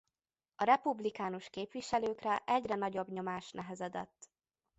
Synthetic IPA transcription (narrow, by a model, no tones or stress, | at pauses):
ɒɾɛpublikaːnuʃkeːpʋiʃɛløːkrɛʔɛɟrɛnɒɟo̞bɲo̞maːʃnɛɦɛzɛd̪ɛ̰t̪ː